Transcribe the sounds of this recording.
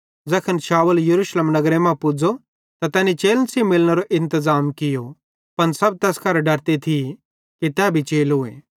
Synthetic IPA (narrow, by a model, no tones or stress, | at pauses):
d͡zɐkʰənʃaːʋəljɐɾuːʃleːmnɐɡɾemãpʊd͡zo | t̪at̪ɛːnit͡ʃeːlnsimɪlñeɾoʔɪ̃nt̪əzaːmkɪjo | pɐnsɐb̚t̪ɛːskɐɾɖɐɾt̪it̪ʰi | kit̪ɛbʱit͡ʃeːlɦʊḛː